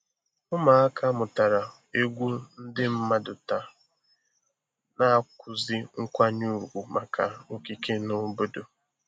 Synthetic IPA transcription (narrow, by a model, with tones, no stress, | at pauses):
ʊ˦ma˨a˦kʰa˦mʊ˨ta˨ɾa˨ | e˦ɡʷu˦n̩˦dɪ˦m̩˦ma˦dʊ˨ta˨ | na˦kʷʊ˨zi˦ŋ̩˦kʷa˦ɲu˦˨ɡʷu˨ma˨kʰa˨o˦ki˨kʰe˦nʊ˦bo˦do˨